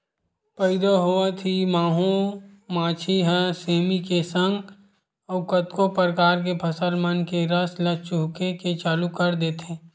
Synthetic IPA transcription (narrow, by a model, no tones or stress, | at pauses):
pəɪd̪aɦoat̪ʰimaːɦõmãːt͡ʃʰiɦəseːmikesə̃ŋɡ | ɔːkət̪kopəɾkaːɾk̬epʰɐsəlmənkeɾəslət͡ʃʊɦkeket͡ʃaːlukəɾd̪eːt̪ʰeː